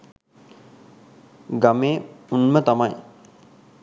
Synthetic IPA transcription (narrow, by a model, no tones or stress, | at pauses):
ɡameːunmət̪amaj